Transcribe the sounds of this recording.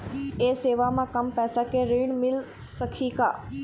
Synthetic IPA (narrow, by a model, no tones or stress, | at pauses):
eːseːʋamãkɐmpɛːsakeɾiːɳmɪl | səkʰikaː